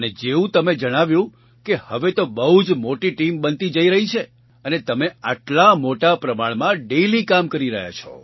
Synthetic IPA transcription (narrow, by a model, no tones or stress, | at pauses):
əned͡ʒeũt̪əmed͡ʒəɽ̃aʋjũ | kehəʋet̪obəɦud͡ʒmoʈiʈimbənt̪id͡ʒəiɾəɦit͡ʃʰe | ənet̪əmeaʈlamoʈapɾəmaɭmãɖelikamkəɾiɾəɦja̰t͡ʃʰɔ̰